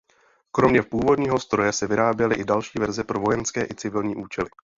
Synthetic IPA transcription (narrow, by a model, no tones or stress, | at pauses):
kɾo̞mɲɛpuːvo̞dɲiːɦo̞st̪ɾo̞jɛsɛvɪɾaːbjɛlɪʔɪdalʃiːvɛɾzɛpɾo̞vo̞jɛnskɛːʔɪt͡sɪvɪlɲiːʔuːt͡ʃɛlɪ